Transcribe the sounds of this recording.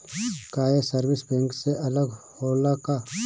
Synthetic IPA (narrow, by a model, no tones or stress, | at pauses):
kaːjesəɾʋɪsbɛ̃ŋkseʔɐləɡhoːlaka